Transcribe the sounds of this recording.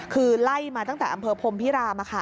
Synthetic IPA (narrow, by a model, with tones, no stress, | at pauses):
kʰɯː˧la˥˩jmaː˧a˥˩ŋt̪ɛː˨˩ʔa˧mpʰɤː˧pʰo˧mpʰi˦˥ɾaː˧ma˧kʰa˥˩